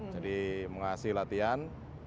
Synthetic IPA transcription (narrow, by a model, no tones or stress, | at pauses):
d͡ʒadiməŋasɪhlat̪ian